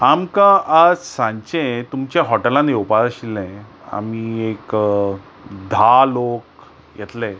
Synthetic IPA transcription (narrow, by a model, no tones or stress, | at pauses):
amkãʔəd͡zsãɲt͡ɕẽt̪umt͡ɕjaɦɔʈelãnewpaɾaɕilːɛ̃a̰miek | d̪ʱalok̚ | jɛt̪lɛ